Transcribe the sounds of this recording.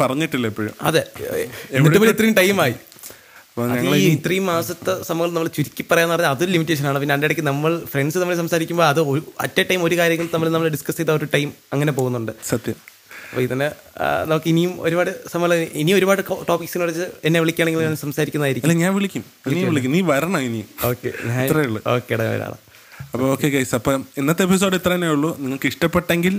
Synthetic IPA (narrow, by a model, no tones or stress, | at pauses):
pɐrɐɲːiʈːilːɐipːoːɻṵmɐ̰ðeemeːupoːiit̪ːrijumʈɐjmaːji | ɐpːoɐɲɐðŋɐɭiːit̪rijmaːsɐt̪ːesɐmɐɣɐɭnɐmːɐɭt͡ɕuɾikʲːipːɐrɐjaːnɨpɐrɐɲːaɐðo̞ɾulimitːeːʂ̬ɐnaːɳɨpinːeɐɳɖejɽɐkːɨnɐmːɐɭfreɳɖsɨnɐmːɐls̬ɐmsaːɾikʲːumboːɭɐðɨoɾɐ̰tːɐʈːɐjmo̞ɾukaːɾjɐŋʲːilnɐmːɐlnɐmɐɭɖiskɐsejt̪aːoɾuʈɐjmɐŋːɐne̞p̬o̞ːɣunːuɳɖɨsɐt̪jɐm | ɐpːoːit̪ːɐnːḛnɐmukːɨinijumo̞̰ɾubaːɽɨsɐmɐlɐinio̞ɾubaːɽɨʈoːpiksinkrɐt͡ɕːɨenːeʋiɭikʲːaːɳeŋɡilɲaːnsɐmsaːɾikʲːunɐðaːjiɾikʲːɐːlːeɲaːnʋiɭikʲːumʋiikːmʋiɭikʲːumniːʋɐɾɐɳɐinijumoːkːḛɲaːirɐjuɭːɨ̰o̞ːkːeɐɽḛʋɐ̰ɾa̰ːɳɨ̰ | ɐpːooːkːekɐjsɐpːɐːinːɐt̪ːepːis̬oːɽit̪rɐinaːjuɭːuniŋːɐɭkɨiʂʈɐpːeʈːeŋɡil